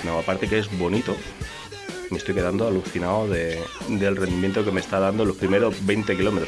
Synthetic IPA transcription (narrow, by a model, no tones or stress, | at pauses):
naoapaɾt̪e̞keezβo̞nit̪o | mest̪ojke̞and̪oaluθinaoðe̞d̪e̞lrend̪imje̞nt̪okeme̞st̪að̞and̪olo̞spɾime̞ɾozβe̞jnt̪ek̬ilo̞me̞t̪ɾ